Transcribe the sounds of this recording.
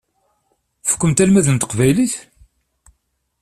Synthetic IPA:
fə̥kʷːəmt̪ælmæðənt̪ə̥qvæjliθ

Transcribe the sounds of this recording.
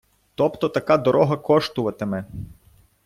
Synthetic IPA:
t̪ɔpt̪ɔt̪ɐkad̪ɔɾɔɦɐkɔʃt̪ʊʋɐt̪emɛ

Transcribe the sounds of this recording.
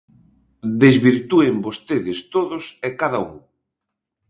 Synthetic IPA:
d̪ezβiɾt̪uembost̪eðɪst̪oðʊsekaðaṵŋ

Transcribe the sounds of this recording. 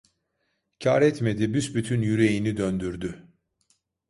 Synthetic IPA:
cʰaːɾɛt̪me̞d̪ibysbyt̪ʰynjyɾe̞jinid̪ønd̪yɾd̪y

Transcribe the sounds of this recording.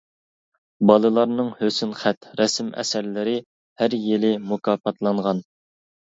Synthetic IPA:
bɑlˠɨlˠɑɾnɨŋhøsynχæt̪ɾɛsɪmɛ̰sæɾlɪɾɪ | hæɾjelɪmukʰɑːpɑt̪lˠɑɴʁɑn

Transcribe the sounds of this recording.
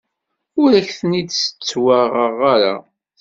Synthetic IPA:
ʊɾæçθənid̪sə̥t͡sːwaʁəʁaɾa̰

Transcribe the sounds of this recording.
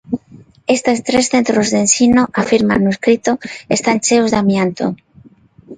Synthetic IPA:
est̪est̪ɾesθe̞nt̪ɾozðensinoʔafiɾma̰nːueskɾit̪oest̪ant͡ʃeozðamjant̪o̰

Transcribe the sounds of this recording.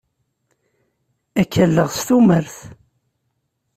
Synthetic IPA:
ækːəlːəʁst̪uməɾθ

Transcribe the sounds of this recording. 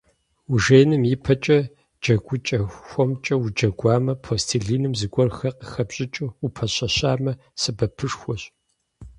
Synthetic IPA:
uʒeːjnɨmjipʰɐt͡ʃʼɐ | d͡ʒɐɡʷʼʊt͡ʃʼɐxʷɔmt͡ʃʼɐwud͡ʒɐɡʷaːmɐpʰoːstʰiɮiːnɨmzɨɡʷɔrxɐqəxɐbɕʼɪt͡ʃʼuupʰɐɕɐɕaːmɐ | sɨbɐpʰɨʂxʷɔɕ

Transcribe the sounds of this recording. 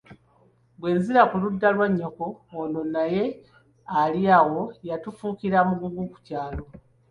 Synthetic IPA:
bwe̞ːnziɾakuludːalwaɲːokoːno̞naje̞ | aliaɣo̞jatufuːkiɾamuɡuɡuku̥caːlo̞

